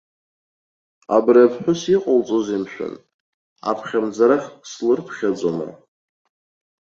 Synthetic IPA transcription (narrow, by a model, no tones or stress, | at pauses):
abrapʰħʷʊsiqʼalt͡sʼozimʃᶣʷʊ̰n | a̰pʰχʲamd͡zaɾaχʲslɨrpʰχʲad͡zʷʼoma̰